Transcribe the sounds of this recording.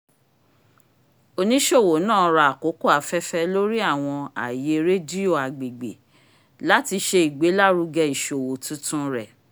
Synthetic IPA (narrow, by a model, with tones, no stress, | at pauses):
o˧nĩ˦ʃo˦˨wo˨˦nãː˦˨˦ɾa˧a˨ko˨˦ko˦˨a˨˦fɛ˦fɛ˦lo˦ɾi˦a˦˨w̃ɔ̃˧a̰˨je˧ɾe˦di˦o˦˨a˨ɡ͡be˨ɡ͡bḛ˨ | la˦ti˧ʃe˧i˨ɡ͡be˨˦la˦˨ɾu˧ɡɛ˧i˨ʃo˨wo˨tũ˦tũ˦ɾɛ˨